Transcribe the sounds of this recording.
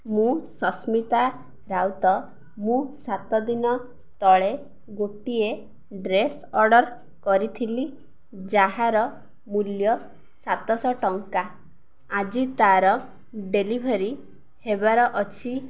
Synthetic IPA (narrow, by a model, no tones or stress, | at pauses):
mũsɔsmit̪a | ɾawt̪ɔ | mũsat̪ɔd̪inɔ | t̪ɔɭe | ɡoʈie | ɖɾes | ɔɾɖɔɾ | kɔɾit̪ʰili | d͡ʒaɦaɾɔ | muljɔ | sat̪ɔsɔʈɔŋka | ad͡ʒit̪aɾɔ | ɖelibʱeɾi | hebaɾɔʔɔt͡ʃʰi